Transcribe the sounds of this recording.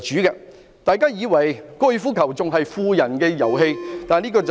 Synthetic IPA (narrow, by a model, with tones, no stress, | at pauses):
t͡ʃyː˨˥kɛː˧ | t̪aː˨˧jkaː˥jiː˨˧wɐ˨˩jkɔː˧˥jyː˧fuː˥kʰɐ˨˩wt͡sʊ˨ŋɦɐ˨jfuː˧jɐ˨˩nkɛː˧jɐ̰˨˩wɦe˧jt̪aː˨niː˥kɔː˧t͡s